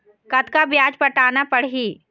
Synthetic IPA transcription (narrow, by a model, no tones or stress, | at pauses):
kɐt̪kabjaːd͡ʒpɐʈaːnapɐɽ̤iː